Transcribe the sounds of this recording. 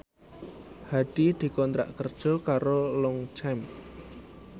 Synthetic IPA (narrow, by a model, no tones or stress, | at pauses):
haɖ̥id̪̥i̤kɔnt̪ɾa̰ʔkərd̥ʒ̥ɔ̤kaɾolɔŋt͡ʃɛm